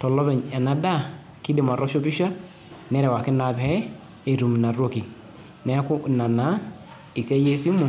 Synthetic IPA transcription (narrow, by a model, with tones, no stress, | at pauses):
tɔ˨lɔ˦bɛ˨ɲɛ˨na˨da˦˨ | ki˦dɪ˨ma˨ɾɔ˦ʃo˦bɪ˦ʃa˦ | nɛ˦ɾɛ˨wa˨kɪ˦na˨bɛ˦ | e˨ɾu˨m˨na˨ɾo˦ki˨ | nɛ˦kʊ˦na˨na˨˦ | i˨sa˦je˦si˦mu˨